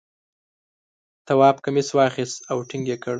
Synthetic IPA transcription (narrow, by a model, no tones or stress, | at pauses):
t̪awɑːpkamiswɑxist̪awʈɪŋɡekəɽ